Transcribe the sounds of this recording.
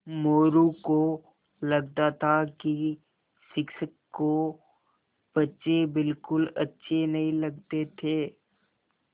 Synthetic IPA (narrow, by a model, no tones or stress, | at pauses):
moːɾũko | lɐɡ̚t̪at̪ʰaki | sɪkʃəkːo | b̥ɐtːʃebɪlkʊlɐtːʃʰenɐɦĩlɐɡ̚t̪et̪ʰeː